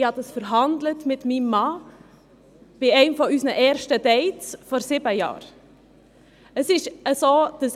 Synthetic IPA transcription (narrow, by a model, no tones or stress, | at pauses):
hɑdɑsfəɾɦɑndlətmɪtmimːɑː | b̥ɪɛɪmfɔysnəʔɛːɾʃtədɛɪt͡sfɔɾsɪbəjɑ̰ːɾ | əsɪʃəsoːd̥ɑs